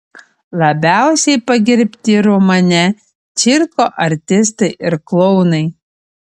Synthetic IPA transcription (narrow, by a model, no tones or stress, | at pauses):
lˠɐbʲæˑʊsʲɛɪpɐɡʲɪɾʲpʲt̪ʲɪɾʊmɐnʲɛ | t͡ʃʲiɪɾkoːʔɐɾʲt̪ʲɪs̬t̪ɐɪʔɪɾklˠɔʊnɐɪ